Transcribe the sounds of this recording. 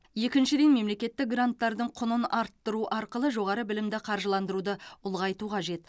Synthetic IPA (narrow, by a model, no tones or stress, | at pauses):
je̞kʲɪnʃɪd̪e̞nme̞mle̞kʲe̞t̪ːɪk̚ɡrant̪ːɑɾd̪əɴqʰʊnənɑɾt̪ːəɾuʔɑɾqəlˠəʒo̞ʁɑɾəbɪlɪmd̪ɪqʰɑɾʒəlˠɑnd̪əɾud̪əʊlˠʁɑjt̪uqʰɑʒe̞t̪